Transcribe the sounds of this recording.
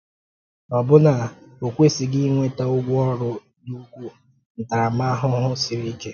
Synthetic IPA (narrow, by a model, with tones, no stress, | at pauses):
ɔ˨bʊ˦na˨o˨kʷe˦sɪ˨ɡɪ˦ŋʷe˦ta˦ʊ˦ɡʷʊ˦ɔ˦ɾʊ˦ | du˦ɡʷu˦ | n̩˨ta˨a˨ma˦a˦ɦʊ˦ɦʊ˦sɪ˨ɾi˦ke˦